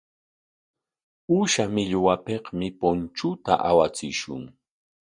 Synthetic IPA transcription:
uʃamɪʎwapeqmɪpont͡ʃʊt̪a̰ʔawat͡sɪʃʊ̰ŋ

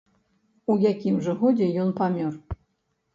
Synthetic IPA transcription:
ujakʲimʐɛɣodʲejɔnpamʲor

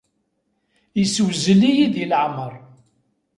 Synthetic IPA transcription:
jiswzəlijiðiləʕməɾˤ

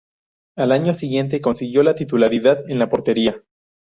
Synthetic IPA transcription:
alaɲo̞siɣje̞nt̪e̞ko̞nsiɣjo̞lat̪it̪ulaɾiðaðe̞nlapo̞ɾt̪e̞ɾia

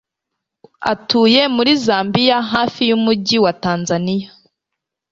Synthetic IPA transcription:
a̰tuːje̞muɾizaːmbijaɦaːfijumuɟiwataːnzanija

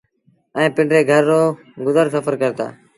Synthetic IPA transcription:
ɛ̃ːpɪɳɖɾeːɡʱəɾːoː | ɡʊzəɾsəfəɾkəɾt̪a̰ː

